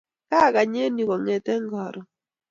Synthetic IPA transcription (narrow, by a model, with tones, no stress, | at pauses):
ka˦˨ka˨ɲe˦ni˨kɔ˨ŋɛ˨tɛ˦ŋɡɔ˨ɾɔ˨